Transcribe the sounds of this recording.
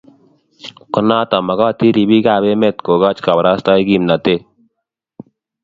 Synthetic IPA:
kənaːt̪a˨mɐ˨ɡaː˦t̪i˦ɾi˨bi˦ɡaː˨βe˦me˦t̪ko˨ɡaː˦t͡ʃka˨bɾaː˦st̪a˦i˦ɡimna˨t̪e

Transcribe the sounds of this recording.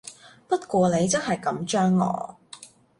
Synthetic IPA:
pɐ˥t̚kʷɔː˧ne˨˧jt͡sɐ˥nɦɐ˨jkɐ˨˥mt͡ʃœː˥ŋːɔ̰ː˨˧

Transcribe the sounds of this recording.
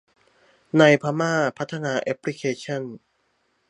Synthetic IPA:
na˧jpʰaː˧maː˥˩pʰa˦˥t̪ʰːa˧naː˧ʔɛ˦˥pli˦˥kʰeː˧t͡ɕʰa˥˩˨n

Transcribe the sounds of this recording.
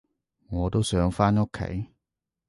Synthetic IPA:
ŋɔː˨˧t̪o˥wsœː˨˧˥ŋfaː˥no˥kʰːḛ˨˥j

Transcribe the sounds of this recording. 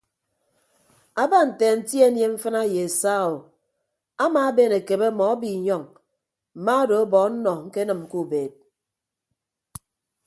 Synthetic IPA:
a˦ba˦n̩˨te˨n̩˦tje˦n˦e˦ɱ̩˦fɨ˦na˦je˨e˨sa˦˨o˨ | a˦maː˨a˦beː˦˨ne˨ke˨be˦˨mɔ˨˦a˦bi˨ɲɔ˦˨ŋ | m̩˨ma˦o˦do˨o˦bɔ˨˦n̩˦nɔ˨ŋ̩˦ke˦nɨ˨m̩˨ku˦˨beː˨t̚

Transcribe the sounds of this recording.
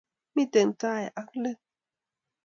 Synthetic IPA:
mi˦te˨m˨ta˦˨jʔa˨kle˦

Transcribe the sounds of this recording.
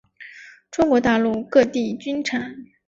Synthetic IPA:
ʈ͡ʂʊ˥ŋkwɔ˧˥t̪a˥˧lu˥˩kɤ˥˧t̪i˥˩t͡ɕy˥nʈ͡ʂʰa˨˩˥n

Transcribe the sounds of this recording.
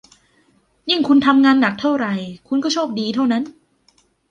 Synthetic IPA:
jɯ˥˩ŋkʰu˧nt̪ʰa˧mŋaː˧nːa˨˩k̚t̪ʰa˥˩wɾa˧jkʰu˧nkɔː˥˩t͡ɕʰoː˥˩p̚diː˧t̪ʰa˥˩wna˦˥n

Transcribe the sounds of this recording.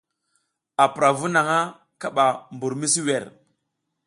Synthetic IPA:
a˨pɾa˨vu˦na˨ŋa˦ | ka˦ɓa˨mbu˨ɾmi˦si˦we˨ɾ

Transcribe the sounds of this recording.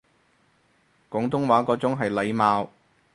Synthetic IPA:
kɔː˨˥ŋt̪ʊ˥ŋwaː˨˥kɔː˨˥t͡sʊ˨˥ŋɦɐ˨jlɐ˨˧jmaː˧w

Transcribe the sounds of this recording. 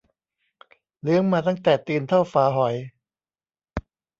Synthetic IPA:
lɯ˦˥ə˨ŋmaː˧t̪a˥˩ŋt̪ɛː˨˩t̪iː˧nt̪ʰa˥˩wfaː˧ɦɔ˨˩j

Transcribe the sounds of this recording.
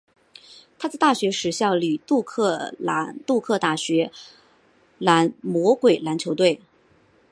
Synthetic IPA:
t̪ʰa˥t͡sɪt̪a˥˩ɕɥɛ˧˥ʂɻ̩˧˥ɕjɑ˥˩ʊly˨˩t̪u˥˧kʰɤ˥˩la˧˥nt̪u˥˧kʰɤ˥˧t̪a˥˩ɕɥɛ˧˥ | la˧˥nmwɔ˧˥kwe˨˩ɪla˧˥nt͡ɕʰjo˧˥ʊt̪we˥˩ɪ

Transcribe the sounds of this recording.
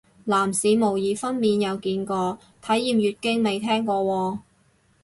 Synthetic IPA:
laː˨˩msiː˨˧˥mo˨˩wjiː˨fɐ˥nmiː˧njɐ˨˧wkiː˧nkɔː˧ | t̪ʰɐ˨˥jːiː˨mjyː˨t̚kɪ˥ŋme˨˧jt̪ʰɛː˥ŋkɔː˧wɔː˧

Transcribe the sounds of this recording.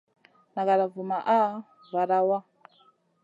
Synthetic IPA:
na˨ka˨ɾa˨vu˨ma˨ʔa˦ | va˨ɾa˦wa˦

